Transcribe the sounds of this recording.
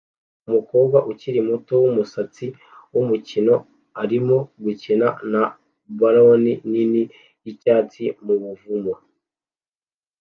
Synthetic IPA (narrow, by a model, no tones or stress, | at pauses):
umuko̞ːb̚ɡaʔuciɾimuto̞wumusat͡si | wumucino̞ | aɾimo̞ɡucinana | baɾoninini | jicaːt͡simuβuvumo